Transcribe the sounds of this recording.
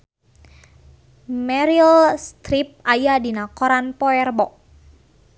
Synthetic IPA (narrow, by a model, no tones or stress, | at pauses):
mɛɾilst̪ɾip̚ajadinakɔɾanpɔɛrbɔʔ